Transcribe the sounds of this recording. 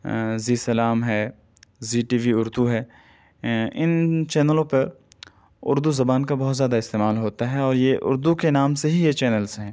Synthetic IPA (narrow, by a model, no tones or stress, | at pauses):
ziːsɐlaːmɦɛː | ziːʈiːʋiʊɾd̪uɦɛː | ɪnt͡ʃɛːnəlõpɐɾ | ʊ̰ɾd̪uzɐbaːnkabɔɦːt̪zjaːd̪aɪst̪eːmaːlɦoːt̪aɦɛɔːɾjeʔʊ̰ɾd̪ukenaːmseɦijet͡ʃɛːnəlsɦɛ̃ː